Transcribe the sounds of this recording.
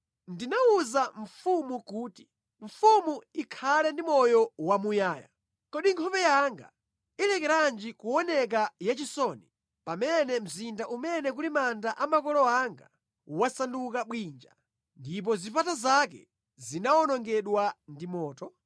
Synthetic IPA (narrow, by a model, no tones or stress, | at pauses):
ndinauzaɱ̩fumukuːti | ɱfumuikʰalɛndimɔjɔwamujaːja̰ | kɔɗiŋkʰɔpɛjaŋɡa̰ | ilɛkɛɾand͡ʒikuɔnɛk̬ajat͡ʃisɔni | pamɛnɛm̩zindaʔumɛnɛkulimandaʔamakɔlɔaŋɡa | wasandukaɓwind͡ʒa | ndip̬ɔzipatazakɛ̰ | zinaɔnɔŋɡɛɗwandimɔːtɔ